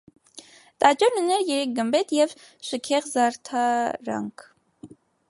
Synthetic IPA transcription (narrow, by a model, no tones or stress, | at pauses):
t̪ɑt͡ʃɑɾnunɛɾjɛɾɛk̚ɡəmbɛt̪jɛv | ʃəkʰɛʁzɑɾt̪ʰɑɾɑ̰ŋkʰ